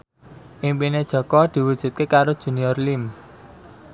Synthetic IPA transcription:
ʔimpined̥ʒ̥ɔ̤kɔd̪̥i̤wud̥ʒ̥ṳt̪̚kekaɾod̥ʒ̥ṳniɔrlim

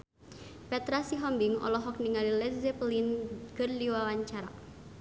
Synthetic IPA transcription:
pɛt̪ɾasiɦɔmbiŋɔ̰lɔɦɔk̚niŋalilɛzɛplinkɨrdiwawaɲt͡ʃaɾa̰

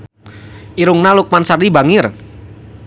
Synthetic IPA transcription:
ʔiɾʊŋnalʊk̚mansardibaŋɪr

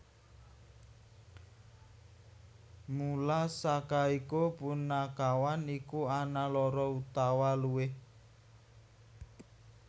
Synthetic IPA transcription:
mulasakaikupunːakawanikuanalɔɾɔut̪awaluwɪh

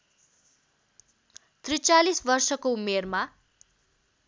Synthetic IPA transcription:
t̪rit͡salisbʌrsʌkoumerma

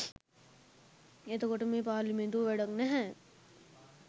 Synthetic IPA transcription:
et̪okoʈəmẽːp̬aːɾlimẽnd̪uːʋɛɽəknɛɦɛ̃

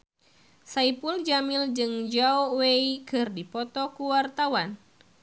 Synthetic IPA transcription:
saipuld͡ʒamɪld͡ʒɨŋd͡ʒaoweikɨrdipɔt̪ɔkuwart̪awan

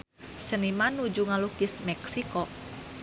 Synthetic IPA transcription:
sənimanud͡ʒuŋalukismɛksikɔ

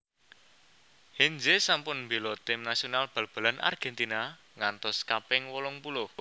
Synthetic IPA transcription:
hend͡ʒesampʊnmbelɔt̪ɪmnasionalb̥a̤lb̥a̤lanʔa̰rɡ̥ɛnt̪ina | ŋant̪ɔskapɪŋwɔlɔŋpulʊh

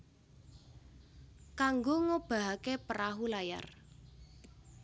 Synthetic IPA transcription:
kaŋɡoŋob̥a̤ɦakepəɾaɦulaja̰r

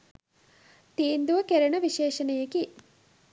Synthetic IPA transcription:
t̪eːnd̪uʋɐkeɾɐɳɐʋiʃeːʃɐnɐjɐki

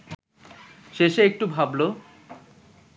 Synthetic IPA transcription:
ʃeʃeek̚ʈubʱablo

